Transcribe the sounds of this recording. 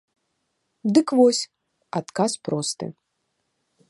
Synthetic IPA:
d̪ɨkvɔsʲ | at̪kaspɾɔst̪ɨ̰

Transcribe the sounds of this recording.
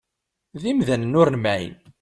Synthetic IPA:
ðimðænnʊɾnmæḭn

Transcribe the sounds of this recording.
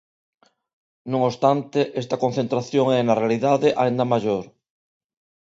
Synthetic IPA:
nũŋost̪ant̪eʔest̪ɐkon̟θent̪ɾaθjoŋɛnarealiðaðeʔaĩnd̪amaʒoɾ

